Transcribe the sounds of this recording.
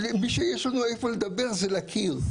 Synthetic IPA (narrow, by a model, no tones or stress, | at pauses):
miʃejeʃlanuefoled̪abe̞ʁzelakʰiʁ